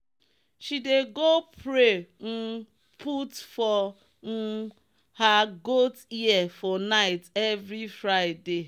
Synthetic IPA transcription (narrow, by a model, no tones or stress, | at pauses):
ʃideɡopʰɾen̩ | pʰutfɔ | haɡotiɛfɔnaɪtɛvɾifɾaɪde